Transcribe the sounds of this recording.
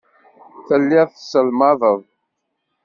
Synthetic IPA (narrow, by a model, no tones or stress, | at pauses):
θəlːiðθsəlmɑðˤəðˤ